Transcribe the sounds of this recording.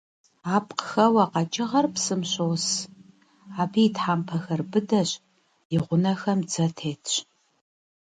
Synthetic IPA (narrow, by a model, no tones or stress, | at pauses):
aːpqxɐwɐqɑt͡ʃʼɪʁɐrpsɨmɕoːs | aːbitħaːmpʰɐxɐrbɨdɐɕ | jɪʁʷʊnɐxɐmd͡zɐtʰeːtʰɕ